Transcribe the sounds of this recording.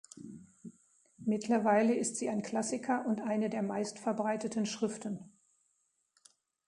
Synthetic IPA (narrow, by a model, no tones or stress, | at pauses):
mɪtʰlɐvaɪləɪstz̥iːaɪnkl̥asɪkʰɐʔʊntʔaɪnədeːɐmaɪstfɛɐbʁaɪtətn̩ʃʁ̥ɪftn̩